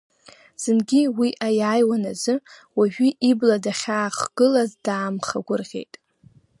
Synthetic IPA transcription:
z̥ɨnɡʲiwiʔajaːjwanazɨwaʒᶣiʔibladaχʲaːχɡ̥ɨlazdaːmχa̰ɡʷʊrʁʲe̞̰jtʼ

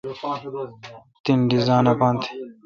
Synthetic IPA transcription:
t̪inɖizaːnɐpant̪ʰ

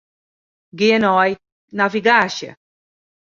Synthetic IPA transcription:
ɡienɔj | naviɡaʃɐ̰

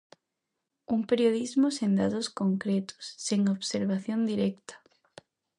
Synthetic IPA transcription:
uŋpeɾjoðizmʊsend̪aðʊskoŋkɾɛt̪ʊ̥sːeŋoβseɾβaθjond̪iɾɛkt̪ɐ̥

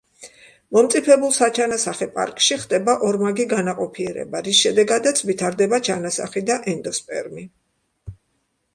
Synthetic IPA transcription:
mɔmt̪sʼipʰɛbulˠsat͡ʃʰanasaχɛpʼa̰ɾkʼʃiχd̪ɛbaʔɔɾmaɡiɡanaqʼɔpʰiɛɾɛ̰baɾisʃɛd̪ɛɡad̪at̪sʰvit̪ʰaɾd̪ɛbat͡ʃʰanasa̰χid̪aʔɛnd̪ɔspʼɛ̰ɾmi

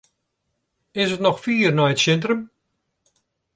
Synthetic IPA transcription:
ɪsətnɔxfiːrnɔjətsɛntrəm

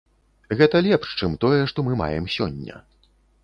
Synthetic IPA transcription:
ɣɛt̪ɐlʲɛpʂt͡ʂɨmt̪ɔjɛʂt̪ɔmɨma̰jɛ̰msʲɔ̰nʲːɐ̰

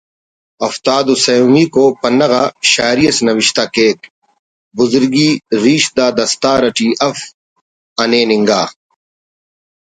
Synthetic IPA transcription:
ɐft̪aːd̪usɐjuːmiːkoːpɐnːɐɣaːʃaːɾijɐsnɐwɪʃt̪aːkeːk̪ | bʊzʊɾɡiːɾiːʃd̪aːd̪ɐst̪aːɾɐʈiːʔɐf | ɐneːnɪŋɡaː

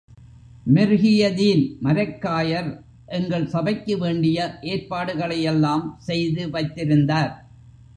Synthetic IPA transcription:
mɪɾɣɪjɐðiːnmɐɾɐkːaːjɐɾ | ʔɛŋɡɐɭsɐbɐɪkːɯʋeːɳɖɪjɐʔeːɾpaːɽɯɣɐɭɐjɛlːaːmsɛjðɯʋɐɪt̪ːɪɾɯnd̪aːɾ

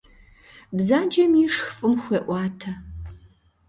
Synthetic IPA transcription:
bzaːd͡ʒɐmiʂxfʼɨmxʷeːʔʷɑːtʰɐ

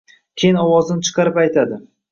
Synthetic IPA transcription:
kʲʰejɪnɒwɒzɪnɪt͡ʃʰɨ̥qʰɑɾɪpajt̪ʰad̪ɪ

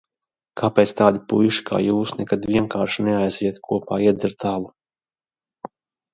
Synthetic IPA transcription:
kʰaːpɛːt̪st̪aːd̪ipujʃi̥kʰa̰ːjuːsnɛkad̪viɛŋkaːɾʃinɛajziɛt̪kʰuɔpaːiɛd̪zɛɾt̪ʰaːlˠu

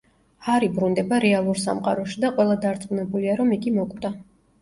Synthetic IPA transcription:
aɾibɾund̪ɛbaɾɛalˠuɾsa̰mqʼa̰ɾɔʃid̪aqʼwɛlˠad̪aɾt̪sʼmunɛbuliaɾɔmiɡimɔkʼd̪a

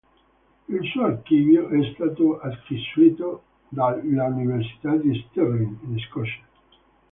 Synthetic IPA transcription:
ilsuːarkiːvjoʔɛst̪aːt̪oaskisuiːt̪o | d̪alauniveɾsi̥t̪ad̪ist̪erliŋinskɔʃḁ

